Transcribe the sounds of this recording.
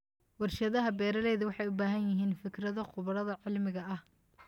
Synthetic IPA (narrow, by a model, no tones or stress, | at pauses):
wɑrʃɐðɐɦɐbɛːɾɐlɛjðɐwɑħɑjʊbaːɦɐnjɪɦiːnfɪkrɐðɔqʊβɐɾɐðɐʕɪlmɪɣɐɐh